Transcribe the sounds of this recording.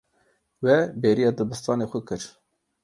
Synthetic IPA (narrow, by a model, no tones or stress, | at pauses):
wɛbeːɾijɑːd̪ɨbɨst̪ɑːneːxʊkɨɾ